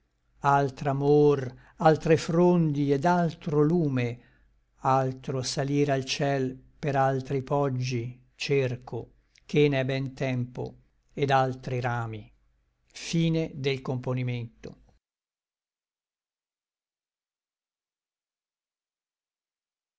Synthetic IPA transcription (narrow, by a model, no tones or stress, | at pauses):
alt̪ɾamor | alt̪ɾefɾond̪ied̪alt̪ɾoluːme | alt̪ɾosaliːɾalt͡ʃɛlpeɾalt̪ɾipɔd͡ʒːi | t͡ʃerkʰo | kenɛbɛnt̪ɛmpo̰ | ed̪alt̪ɾiɾaːmi | fiːned̪elkomponiment̪o̰